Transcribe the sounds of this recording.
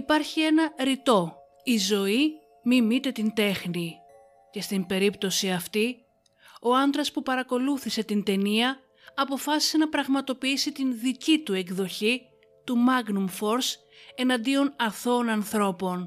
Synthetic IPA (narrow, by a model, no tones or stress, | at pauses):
ipɐɾçie̞nɐɾit̪o̞ | izo̞i | mimit̪e̞t̪ind̪e̞xni | ce̞st̪imbe̞ɾipt̪o̞siɐft̪i | o̞ɐnd̪ɾɐspupɐɾɐko̞luθise̞t̪int̪e̞niɐː | po̞fɐsi̥se̞nɐpɾɐɣmɐt̪o̞piisit̪inðicit̪ue̞kðo̞çi | t̪umɐɡnumfo̞ɾs | e̞nɐnd̪io̞nɐθo̞ːnɐnθɾo̞po̞n